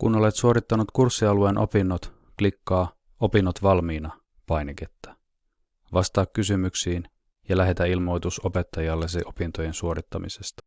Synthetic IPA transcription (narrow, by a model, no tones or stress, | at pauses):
kuno̞le̞t̪suoɾit̪ːɑnut̪kursːiɑluenʔo̞̰pinːot̪ | klikːɑː | o̞pinːot̪ʋɑlmiːnɑ | pɑjneket̪ːæ̥ | ʋɑst̪ɑːkːysymyksiːn | jɑlæɦe̞t̪æilmo̞jt̪uso̞pe̞t̪ːɑjɑlːeseʔo̞pint̪o̞je̞nsuo̞ɾit̪ːɑmḭse̞st̪ɑ̥